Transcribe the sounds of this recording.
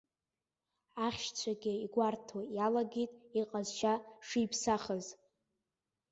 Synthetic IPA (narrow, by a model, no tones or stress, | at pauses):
aχʲʃt͡ɕʷʰaɡʲɪiɡʷartʰojalaɡʲitʼiqʼazʃaʂijpʰsaχəz